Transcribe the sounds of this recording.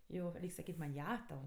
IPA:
ˈjoː ˈrʲɛɪkʲ sɐˈkʲiːtʲ mɐnʲ ˈjɛ tɐʊ

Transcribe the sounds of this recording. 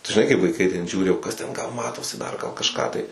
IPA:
ʒʲɪˈnɐɪ kɐɪp ʋɐɪˈkɐɪ tʲɛn ˈʒʲuːrʲɪ oː ˈkɐs tʲɛn ˈɡɐlˠ ˈmɑːtoːsʲɪ ˈdɐr ɡɐlˠ kɐʃˈkɑː tɐɪ

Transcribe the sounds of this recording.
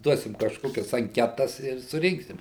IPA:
ˈduɔsʲɪm kɐʃˈkoːkʲɛs ɐŋʲˈkʲæːtɐs ɪr sʊˈrʲɪŋksʲɪm

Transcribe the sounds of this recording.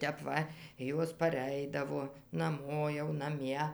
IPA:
ˈtʲɛp ˈʋɐ ˈjoːs pɐˈrʲɛɪdɐʋoː nɐˈmoː jɛʊ nɐˈmʲiɛ

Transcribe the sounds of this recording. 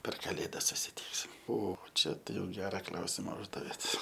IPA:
pʲɛr kɐˈlʲeːdɐs sʊsʲɪˈtʲiːksʲɪm ˈoː ˈt͡ʃʲɛ tɐɪ jɛʊ ˈɡʲæːrɐ ˈklˠɐʊsʲɪmɐ ˈʊʒdɐʋʲeːt

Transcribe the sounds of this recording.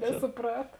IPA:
nʲɛsʊˈprɐt

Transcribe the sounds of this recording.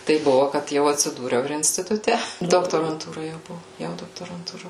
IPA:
ˈtɐɪp ˈbʊʋoː kɐt ˈjɛʊ ɐtʲsʲɪˈduːrʲɛʊ ɪr ɪnʲsʲtʲɪtʊˈtʲɛ doːktoːrɐnˈtuːrɐ jɛʊ ˈbʊʋoː ˈjɛʊ doːktoːrɐntuːˈrɐ

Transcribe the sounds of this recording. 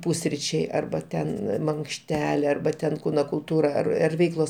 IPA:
ˈpʊsʲrʲiːt͡ʃʲɛɪ ɐrbɐ ˈtʲɛn mɐŋkʃʲˈtʲæːlʲeː ɐrbɐ ˈtʲɛn ˈkuːnoː kʊlˠˈtuːrɐ ɐr ɐr ˈʋʲɛɪklˠoːs

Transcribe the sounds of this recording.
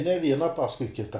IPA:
nʲɛ ˈʋʲiɛnɐ ˈpɑːskʊɪ ˈkʲɪtɐ

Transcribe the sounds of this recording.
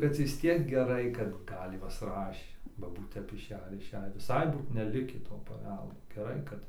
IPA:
bʲɛt ʋʲɪs ˈtʲiɛk ɡʲɛˈrɐɪ kɐt ˈɡɐlʲ ˈjuɔs ˈrɑːʃʲeː bɐ ˈbuːt tʲɛp ɪʃʲˈæːjiː ɪr ɪʃʲˈæːjiː ʋʲɪˈsɐɪ ˈbuːt nʲɛˈlʲɪkʲiː toː pɐˈʋʲɛlˠdoː ɡʲɛˈrɐɪ kɐt

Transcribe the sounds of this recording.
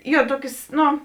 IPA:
ˈjoː ˈtuɔkʲeːs ˈnoː

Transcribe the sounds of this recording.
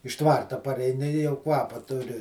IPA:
ɪʃ ˈtʋɐrtɐ pɐrʲɛɪˈnʲɪ ɪ jɛʊ ˈkʋɑːpɐ ˈtʊrʲɪ

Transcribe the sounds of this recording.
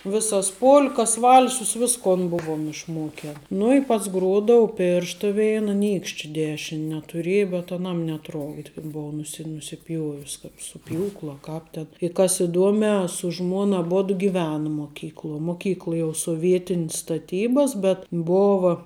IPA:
ˈʋʲɪsɐs ˈpoːlˠkɐs ˈʋɐlˠsʊs ˈʋʲɪskoːn ˈbʊʋoːm ɪʃˈmoːkʲɛn ˈnʊ ɪ ˈpɐts ˈɡruɔdɐʊ ˈpʲeːrʃtɐ ˈʋʲɛɪnɐ ˈnʲiːkʃʲt͡ʃʲɪ ˈdʲæːʃʲɪnʲ nʲɛtʊˈrʲeːjɛ bʲɛt ɐˈnɐm nʲɛˈtroːɡdʲɪ kɐt ˈboːʊ nʊˈsʲɪ nʊsʲɪˈpʲjuɔʋʲɪs kɐp sʊ ˈpʲjuːklˠʊ ɐ ˈkɑːp tʲɛn ɪ kɐs ɪˈduɔmʲæː sʊ ˈʒmuɔn ˈɑːboːdʊ ɡʲɪˈʋʲæːnɐ moːˈkʲiːklˠuɔ moːˈkʲiːklˠɐ jɛʊ soːˈʋʲiɛtʲɪnʲs stɐˈtʲiːbɐs bʲɛt ˈboːʋɐ

